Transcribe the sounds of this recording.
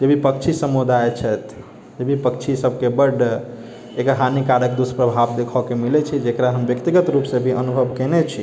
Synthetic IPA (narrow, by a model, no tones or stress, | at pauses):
d͡ʒebʱipək̚t͡ʃʰisəmod̪ajet͡ʃʰɛt̪ʰ | d͡ʒebʱipəkt͡ʃʰisəb̚ʱkebəɖ | ekɦanikaɾək̚d̪uspɾəbʱabd̪ekʰɔkemilɛt͡ʃʰid͡ʒekɾaɦəmbjəkt̪iɡət̪ɾupsẽbʱiʔənubʱəbkenɛt͡ʃʰi